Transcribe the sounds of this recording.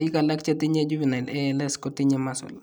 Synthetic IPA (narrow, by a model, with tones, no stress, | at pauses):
i˦ka˨la˦k̚t͡ʃɛ˦ti˦ɲɛ˦d͡ʒu˦βi˨na˨lɛ˦lɛ˦skɔ˦ti˦ɲɛmasɔ̰˨l